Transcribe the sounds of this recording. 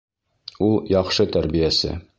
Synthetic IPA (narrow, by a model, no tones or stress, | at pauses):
ulˠjɒχʃɤt̪æɾbijæsɘ̰